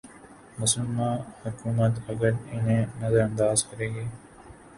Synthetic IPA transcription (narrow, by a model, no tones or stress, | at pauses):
mɐsulmãːhukuːmɐt̪ɐɡɐɾineːnɐzɐɾɐnd̪aːzkɐɾeɡeː